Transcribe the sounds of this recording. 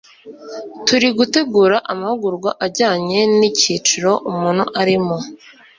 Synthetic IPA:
tuɾiɡute̞ɡuːɾaʔamahuɡuɾɡwaʔaɟaːɲe̞niciːt͡ʃuɾo̞ʔumuːn̥huʔaɾimo

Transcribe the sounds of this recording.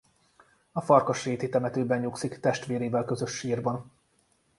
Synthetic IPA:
ɒfɒrkɒʃreːt̪it̪ɛmɛt̪øːbɛɲːuːksikt̪ɛʃt̪ʋeːɾeːvɛlkø̞zø̞ʃːiːrbɒn

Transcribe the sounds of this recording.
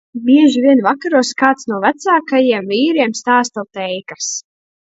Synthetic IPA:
bʲiɛʒivʲiɛnvakaɾuɔskaːt̪snuɔvæt̪saːkajiɛmviːɾiɛmst̪aːst̪awt̪ɛjkas

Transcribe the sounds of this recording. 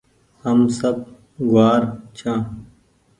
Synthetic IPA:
hɐmsɐb̚ | ɡwaːɾt͡ɕʰãː

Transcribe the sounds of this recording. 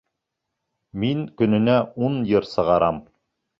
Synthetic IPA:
miŋkɵ̆nɘ̆næunjɤɾsɤ̆ʁɑɾɑm

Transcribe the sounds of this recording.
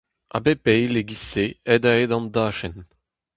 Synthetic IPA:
a̰bepɛjleɡiseɛd̪aed̪ɑ̃nd̪aːʃɛn

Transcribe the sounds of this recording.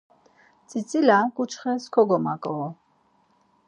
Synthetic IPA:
t͡sʼit͡sʼilakʼut͡ʃʰχɛskʰɔɡɔmakʼɔɔ

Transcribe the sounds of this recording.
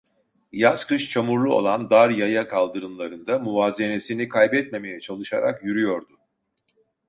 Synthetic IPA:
jaskɯʃt͡ʃʰamuɾlˠuo̞̰lˠand̪aɾjajakʰalˠd̪ɯɾɯmlˠaɾɯnd̪amuvaːze̞ne̞sinikʰajbɛt̪̚me̞me̞jɛt͡ʃʰalˠɯʃaɾa̰kjyɾyjo̞ɾd̪ʊ

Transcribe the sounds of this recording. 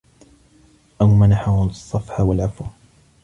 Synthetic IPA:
ʔawmanaħahʊsˤːɑfħawalʕafuw

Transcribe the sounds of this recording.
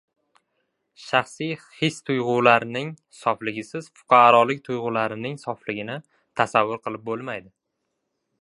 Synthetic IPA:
ʃaχsijhɪst̪ʰʊjʁʊlaɾnɪŋ | sɒflɪɡʲɪsɪz̥fʊ̥qʰɑɾɒlˠɪk̚ʲt̪ʰʊjʁʊlaɾɪnɪŋsɒflɪɡʲɪnɪ | t̪ʰasavːʊɾqɨlˠɪp̚bolˠmajd̪ɪ

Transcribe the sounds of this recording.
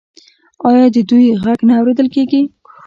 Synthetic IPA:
ɑjɑd̪əd̪ujɣaɡnaːwɾed̪əlkeɡi

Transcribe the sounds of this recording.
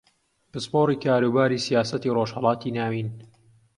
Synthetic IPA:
pɨspoːɾiːkʰaːɾuːbaːɾiːsijaːsɐt̪iːroʒhɑlˠɑːt̪ʰiːnaːwiːn

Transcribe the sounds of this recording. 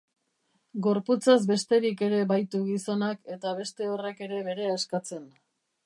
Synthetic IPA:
ɡo̞ɾput͡sazbe̞st̪e̞ɾike̞ɾe̞βajt̪uɣiso̞nake̞t̪aβ̞e̞st̪e̞o̞re̞ke̞ɾe̞βe̞ɾe̞askat͡se̞n

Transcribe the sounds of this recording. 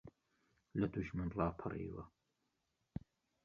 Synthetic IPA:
lɐd̪uʒmɨnlɑːpʰɨrḭːwɐ

